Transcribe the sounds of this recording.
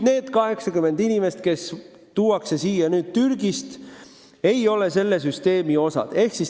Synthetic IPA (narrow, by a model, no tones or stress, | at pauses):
ne̞ːd̪̥kɑɦe̞ksɑkymːe̞nd̪inʲime̞st̪̚ke̞s | t̪uːɑkse̞siːjɑnyːd̪̥t̪yrɡist̪ | e̞jo̞le̞se̞lːe̞s̬yst̪e̞ːmio̞sɑ̰d̪̥e̞hksis